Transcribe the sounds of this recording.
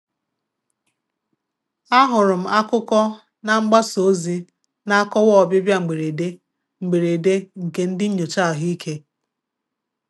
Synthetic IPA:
a˦ɦʊ˨ɾʊ˨m̩˦a˦kʊ˦kɔ˦ | na˦ŋ͡m̩˦ɡ͡ba˦so˨˦zi˦ | na˦a˦kɔ˦wɔ˦˨bɪ˦bja˦ŋ͡m̩˨ɡ͡be˨ɾe˨de˦ | ŋ͡m̩˨ɡ͡be˨ɾe˨de˦ŋ̩˨ke˦n̩˦dɪ˦ɲ̩˦ɲo˨t͡ʃa˦˨ɦi˦i˦kʰe˦

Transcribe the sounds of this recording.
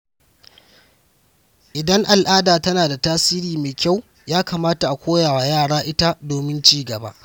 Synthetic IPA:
ʔɪ˨dɐ˦ŋʔa˨lʔaː˦daː˨tɐ˦naː˨da˨taː˦siː˦ɾiː˨meː˨jkʲa˦˨w | jaː˦kaː˨maː˦ta˨ʔa˨kʷoː˦jaː˨wa˨jaː˦˨ɽaː˦ʔɪ˦ta˦doː˨mɪ˦nt͡ʃiː˦ɡɐ˨ba̰˦ʔ

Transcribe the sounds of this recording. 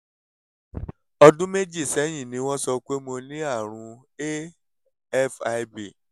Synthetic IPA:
ɔ˧dũ˦me˦d͡ʒi˦˨sɛ˨˦j̃ĩ˦˨nĩ˨˦w̃ɔ̃˦sɔ˧k͡pe˦mo˧nĩ˦a˦˨ɾ̃ũ˧e˦ | ɛ˦fa˧ibi˨

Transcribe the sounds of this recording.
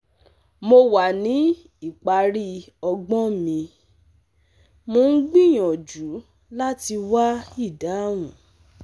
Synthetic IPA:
mo˧wa˨nĩ˨˦ | i˦˨k͡pa˧ɾi˦ | ɔ˧ɡ͡bɔ̃˦mĩ˧ | mo˧˦n̩˦ɡ͡bĩ˦˨j̃ɔ̃˨d͡ʒu˨˦ | la˦ti˧wa˦i˦˨da˨˦w̃ũ˨

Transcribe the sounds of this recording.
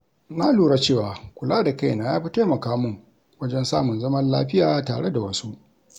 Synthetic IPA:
naː˦luː˨ɽa˦t͡ʃeː˦˨waː˨kʷʊ˨laː˦da˨ka˦˨jnaː˨jaː˦ɸi˦ta˦mɐ˨kaː˦mʊ˦˨ŋ | wɐ˦d͡ʒɛ˦nsaː˦mʊ˨nzɐ˦mɐ˦nlaː˦ɸɪ˦jaː˨ta̰ː˨ɽe˦da˨wɐ˦su˦ʔ

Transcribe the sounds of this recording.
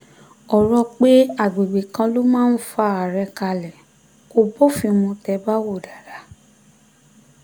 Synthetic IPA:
ɔ˨ɾɔ˧k͡pe˦a˦˨ɡ͡be˨ɡ͡be˨kã˧lo˦mãː˦n̩˦fa˦˧˨a˨ɾɛ˧ka˧lɛ˨ | ko˧˨bɔ˦fĩ˧mũ˧tɛ˧˦ba˦wo˦˨da˨ɾa˨˦

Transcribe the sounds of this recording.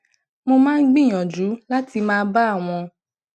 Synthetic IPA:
mo˧mãː˦˧n̩˦ɡ͡bĩ˦˨j̃ɔ̃˨d͡ʒu˨˦la˦ti˧mãː˦˧˦ba˦a˦˨w̃ɔ̃˧

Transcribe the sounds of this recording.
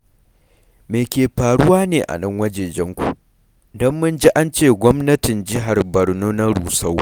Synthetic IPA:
meː˨kʲeː˨ɸaː˨ɽʊ˦waː˦neː˨ʔa̰˨nɐ˦ŋwɐ˦d͡ʒeː˨d͡ʒɛ˦ŋkʷṵ˨ʔ | dɔ˦mːʊ˦nd͡ʒi˦ʔa˦nt͡ʃeː˦˨ɡʷɔ˦mnɐ˦tɪ˨nd͡ʒɪ˦ɦa˨rbɐ˨ɽnuː˦na˦ɽuː˨sa˦w

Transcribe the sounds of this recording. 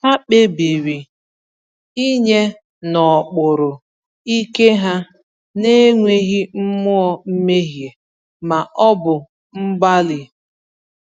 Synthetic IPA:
ha˦k͡pe˦bi˨ɾi˨ | i˦ɲe˦ | nɔ˨k͡pʊ˨ɾʊ˨ | i˦ke˦ɦa˦ | ne˦ŋʷe˦ɣi˦m̩˦mʊ˦ɔ˦m̩˦me˦ɦje˨ | ma˨ʔɔ˦bʊ˨ | m̩˦ɡ͡ba˦lɪ˨

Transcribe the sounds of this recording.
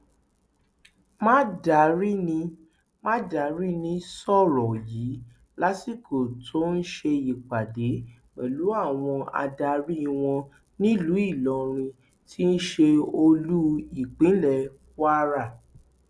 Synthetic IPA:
mã˦da˨ɾi˦nĩ˧˦ | mã˦da˨ɾi˦nĩ˧˦sɔ˦˨ɾɔ̃˨ji˨˦ | la˦si˦˨ko˨tʰo˦n̩˦ʃe˧i˨k͡pa˨de˨˦ | wɛ̰˨lu˨˦a˦˨w̃ɔ̃˧a̰˧da˧ɾi˦i˧w̃ɔ̃˧ | nĩ˦lu˨˦i˦˨lɔ˨ɾ̃ĩ˧ | tʰi˦n̩˦ʃe˧o˧lu˦i˦˨k͡pĩ˨˦lɛ˦˨ | wa˦ɾa˦˨

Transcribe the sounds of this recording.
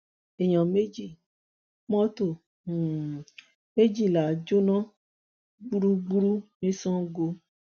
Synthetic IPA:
e˨ɲɔ̃˨me˦d͡ʒi˦˨ | mɔ̃˦to˦˨ | me˦d͡ʒi˦˨la˨d͡ʒo˦nã˦ | ɡ͡bu˦ɾu˦ɡ͡bu˦ɾu˦mĩ˦sɔ̃˦ɡo˧

